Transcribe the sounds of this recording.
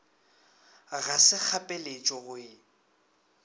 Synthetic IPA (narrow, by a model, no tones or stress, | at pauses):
ɣasɪk͡xʰapʼelet͡ʃʼɔɣʊɪ